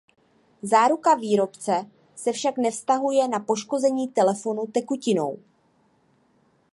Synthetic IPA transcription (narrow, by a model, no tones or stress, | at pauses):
zaːɾukaviːɾo̞pt͡sɛ | sɛfʃaknɛfst̪aɦujɛnapo̞ʃko̞zɛɲiːt̪ɛlɛfo̞nut̪ɛkucɪno̞̰w